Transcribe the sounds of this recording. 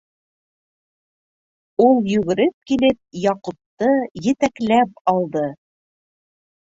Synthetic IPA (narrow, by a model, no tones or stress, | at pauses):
ulˠjʉ̆ɡɘ̆ɾɘp̚kilɘp̚jɑqup̚t̪ɤjɘ̆t̪æklæp̚ɑlˠd̪ɤ